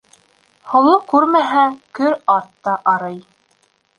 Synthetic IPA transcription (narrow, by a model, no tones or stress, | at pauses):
hŏlˠɤkʉɾmæɦækɵɾɑɾt̪ːɑʔɑɾɤj